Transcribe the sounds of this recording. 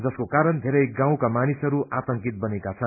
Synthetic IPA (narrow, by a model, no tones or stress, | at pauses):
d͡zʌskokaɾʌnd̪ʱeɾʌjɡãw̃kamanisʌɾuat̪ʌŋkit̪̚bʌnekat͡sʰʌn